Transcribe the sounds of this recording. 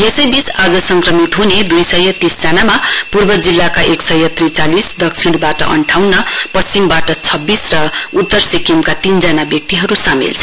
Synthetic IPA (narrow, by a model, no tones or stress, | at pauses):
esʌjbit͡sad͡zʌsʌŋkrʌmit̪ɦuned̪ujsʌjʌt̪isd͡zanamapurbʌd͡zilːakaʔeksʌjʌt̪rit͡salisd̪ʌksʰiɽbaʈʌ̰ʔʌ̰ɳʈʰawnːʌpʌst͡simbaʈʌt͡sʰʌbːisrʌut̪ːʌrsikemkat̪ind͡zʌnabjʌk̚t̪iɦʌɾusamḭlt͡sʰʌ